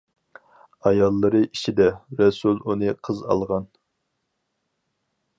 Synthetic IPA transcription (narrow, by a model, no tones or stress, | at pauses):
ɑjɑlˠːɨɾɨʔit͡ʃʰid̪ɛɾɛsulˠunɨqʰəzɑ̰lˠʁɑn